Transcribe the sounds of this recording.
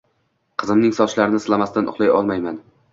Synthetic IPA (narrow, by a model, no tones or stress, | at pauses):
qʰɨzɪmnɪŋsɒʃlaɾɪnɪslˠamast̪anʔʊ̰χlˠajɒ̰lˠmajman